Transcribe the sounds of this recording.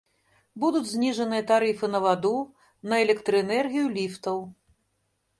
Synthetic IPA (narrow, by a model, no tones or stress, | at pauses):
bud̪ud͡zʲzʲnʲiʐɐnɨjɐt̪aɾɨfɨnɐvad̪u | nɐɛlʲɛkt̪ɾɨɛnɛrɣʲijulʲift̪ɐw